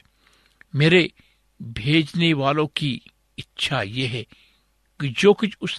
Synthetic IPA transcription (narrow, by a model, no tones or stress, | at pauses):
meːɾe | bʱeːd͡ʒneʋaːlõki | ɪtːʃʰajeɦɛ | kid͡ʒoːkʊt͡ʃʰʊs